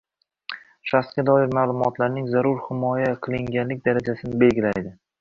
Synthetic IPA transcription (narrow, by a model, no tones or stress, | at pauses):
ʃaskʲad̪ɒɪɾmaːlˠʊmɒt̪ʰlaɾnɪŋzaɾʊɾhɪmɒjaqʰɨlˠɪŋɡʲanlɪk̚ʲd̪aɾad͡ʒasɪnɪbe̞lɡʲɪlajd̪ɪ